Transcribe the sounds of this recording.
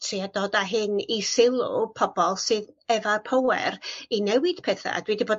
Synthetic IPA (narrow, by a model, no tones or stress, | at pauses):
tʰriadɔːdaɦɨnisɪlˠʊ̰pʰɔb̥ɔlˠsɨðɛvarpʰowɛ̰rinɛwɪd̥pʰɛθa̰a̰d̥widiboːd